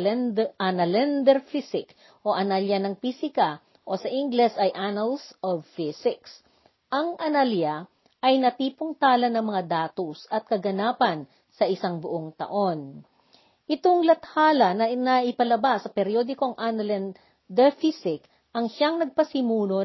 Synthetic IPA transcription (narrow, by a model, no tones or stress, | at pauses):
ʔanɐlɛnd̪ɛɹfisɪk | ʔo̞ʔɐnaljɐnɐŋfisɪkɐ | ʔo̞sɐʔɪŋɡlɛsɐjʔanɐlsʔovfɪsɪks | ʔɐŋʔɐnaljɐ | ʔɐjnɐt̪iːpoŋt̪aːlɐnɐŋmɐŋad̪aːt̪osɐt̪̚kɐɡɐnaːpɐn | sɐʔɪsaŋbʊʔoŋt̪ɐ̰ʔo̞n | ʔɪt̪oŋlɐt̪haːlɐnɐnɐʔɪpɐlɐbasɐpɛɾjo̞d̪ɪko̞ŋʔanɐlɛn | d̪ɛɹfisɪk | ʔɐŋʃaŋnɐɡ̚pɐsɪmuːno